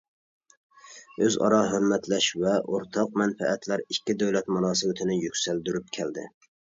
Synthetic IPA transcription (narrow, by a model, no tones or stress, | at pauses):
øzɑ̰ɾɑɦøɾmɛt̪ʰlɛʃvɛʔoɾt̪ʰɑq̚mɛnfɛ̰ɛt̪ʰlæɾikʲːid̪ɛwlɛt̪munɑːsɨwɪt̪ʰɪnɪjykʲsæld̪yɾyp̚kʲʰɛld̪ɪ̰